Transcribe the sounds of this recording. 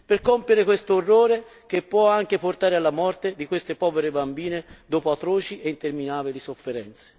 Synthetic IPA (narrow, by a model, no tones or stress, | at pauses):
perkompjeɾekwest̪oorːoːɾek̟epːwɔaŋk̟eport̪aːɾealːamɔrt̪ed̪ikwest̪epɔːveɾebambiːned̪oːpoat̪ɾoːt͡ʃiʔeint̪erminaːbilisofːeɾɛnt̪se̥